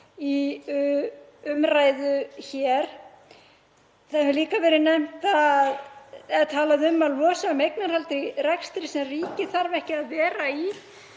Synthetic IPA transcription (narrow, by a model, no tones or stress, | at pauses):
i | ʏmraːjðʏçɛɾ̥ | θaðʏliːkavɛːɾɪnɛm̥t̪aðɛt̪ʰaːlaðɪʏmːaðlɔːsamejknaɾ̥halt̪ɾɪrɛkst̪ɾɪsɛmriːcɪθaɾvɛhcɪaðvɛːɾai